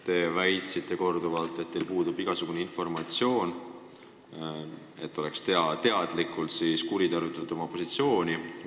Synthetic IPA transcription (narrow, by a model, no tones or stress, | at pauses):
t̪e̞væjt̪sit̪ːˑe̞ko̞rd̪uvɑlt̪ːˑet̪̚ːe̞lpuːd̪̥ubiɡ̥ɑsuɡ̥uneinfo̞rmɑt̪sjo̞ːn | e̞t̪ˑːo̞le̞kst̪eɑt̪e̞ɑd̪̥likːˑult̪siːskuɾit̪ɑɾit̪ːˑɑnud̪o̞mɑpo̞sit̪sio̞ːnʲi